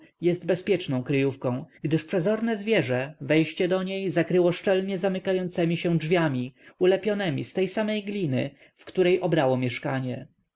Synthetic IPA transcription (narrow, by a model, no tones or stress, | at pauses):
jɛsdt̪̚bɛspʲjɛt͡ʂnɔ̃w̃kɾɘjufkɔ̃w̃ɡd̪ɘʂpʂɛzɔɾnɛzvʲjɛʐɛvɛjɕt͡ɕɛd̪ɔɲejzakɾɘwɔʂt͡ʂɛlɲɛzamɘkajɔnt̪sɛmʲiɕɛdʐvʲjamʲiulɛpʲjɔnɛmʲḭst̪ɛjsamɛjɡlʲinɘ̰ | fkt̪uɾɛjʔɔbɾawɔmʲjɛʂkaɲɛ